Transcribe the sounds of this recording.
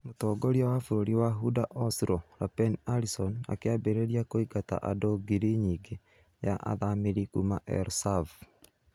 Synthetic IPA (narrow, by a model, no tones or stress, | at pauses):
motɔːɡoɾiawafoɾoɾiwaɦudaʔɔsɾɔɾapɛnaɾisɔna̰keabeɾeɾiakoiɡata̰ʔadoɡiɾiɲiɡe | jaʔa̰ðameɾikumaʔɛ̰ɾsav